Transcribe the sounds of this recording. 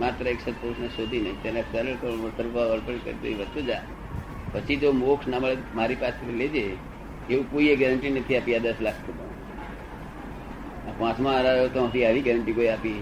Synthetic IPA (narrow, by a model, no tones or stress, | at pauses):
mat̪ɾəeksət̪̚posnəʃod̪ʱinəit̪enesɛɾəɭk̪oəsəɾbaʋəɾpəɳkə̰ɾit̪o̰iʋət͡ʃod͡ʒa | pət͡ʃʰid͡ʒomoksnaməɭemaɾipaset̪ʰiled͡ʒe | eũkoieɡɛɾəɳʈinət̪ʰiapiad̪əslak̚ʰt̪ʰubã | ãpãt͡ʃmãːɾaot̪õət̪iaʋiɡɛɾəɳʈikoiapi